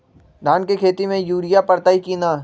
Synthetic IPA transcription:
d̪ʱaːnkekʰeːt̪imẽjuːɾijapɐɾt̪aikiːnaː

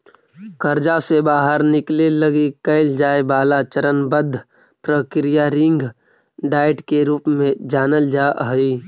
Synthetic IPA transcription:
kəɾd͡ʒasebaːɦəɾnɪkleləɡikəɪld͡ʒaːebaːlat͡ʃəɾənbəd̪ʱː | pɾəkɾijaɾɪ̃ŋɡ | ɖaːɪʈkeɾuːpmẽd͡ʒaːnəld͡ʒaːʔɦiː

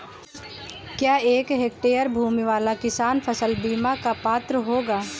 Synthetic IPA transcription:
kjaːeːkɦeːk̚ʈeːjəɾbʱuːmiʋaːlakɪsaːnpʰəsəlbiːmakapaːt̪ɾəɦoːɡaː

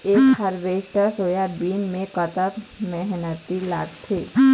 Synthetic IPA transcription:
eːkhəɾʋeːʃʈəsoːjabiːnmẽkət̪ət̪mɛɦnət̪ila̰ːɡt̪ʰeː

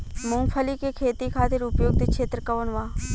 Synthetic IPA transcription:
mʊ̃ːpʰəlikekʰeːt̪ikʰaːt̪ɪɾʊpjoːɡ̚t̪ekʃʰeːt̪ɾəkəʋənʋãː

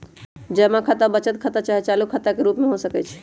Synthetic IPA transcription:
d͡ʒəmakʰət̪abət͡ʃət̪̚kʰət̪at͡ʃaɦɛt͡ʃalukʰət̪ːakeɾupmeɦosəkɛt͡ʃʰ

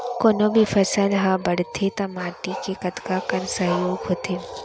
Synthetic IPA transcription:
koːnobʱifʰɐsəlɦãbɐɽt̪ʰet̪ɐmaːt̪ikekɐt̪kakɐɾsɐɦjoːɡɦoːt̪ʰe

